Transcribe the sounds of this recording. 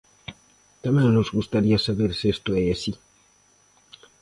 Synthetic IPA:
t̪amãːnnusɡust̪adiasabeɾsest̪oejesi

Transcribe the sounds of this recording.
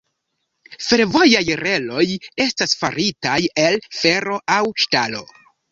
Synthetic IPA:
fe̞ɾvo̞jajɾe̞lo̞je̞stasfa̰ɾitaje̞lfe̞ɾo̞ʔawʃtalo̞̰

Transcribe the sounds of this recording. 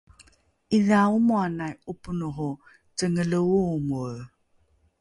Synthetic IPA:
iðaumuanajupunuɦu | t͡səŋələumu

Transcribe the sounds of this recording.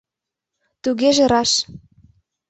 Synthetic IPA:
t̪uɣeʒĕɾɑʃ

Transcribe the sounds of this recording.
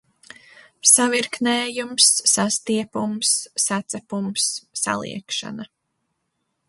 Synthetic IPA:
saviɾknɛːjumsːast̪iɛpumsːat̪sɛpumsːa̰lˠḭɛkʃa̰na

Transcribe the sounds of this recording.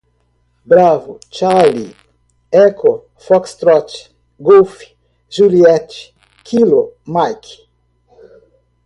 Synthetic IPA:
bɾavʊt͡ʃalḭ | ɛko | fɔkst̪ɾɔt͡ʃ | ɡowfi̥ | ʒuliɛt͡ʃi̥ | kʰilomajk

